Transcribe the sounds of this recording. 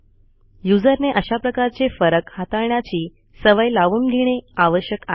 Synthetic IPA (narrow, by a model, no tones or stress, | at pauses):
jud͡zəɾneʔəɕapɾəkaɾt͡sefəɾəkhat̪aɭɳjat͡ɕiː | səʋajlaʋuːnɡʱiɽ̃eaʋəɕjəka